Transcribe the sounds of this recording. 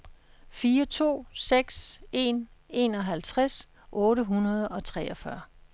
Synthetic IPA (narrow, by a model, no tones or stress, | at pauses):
fiːɐt͡sʰo̝̰ːseɡ̥se̝̰ne̝ːnɒ̽ɦælt͡sʰʁas | ʔɔ̽ːɾəɦunɐð̞ˠɒ̽t͡sʰʁɛːɒ̽fɶɐ